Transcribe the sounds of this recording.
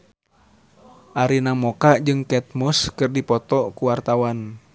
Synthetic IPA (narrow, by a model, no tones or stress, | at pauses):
ʔaɾinamɔkaʔd͡ʒɨŋkɛt̪̚muskɨrdipɔt̪ɔkuwart̪awan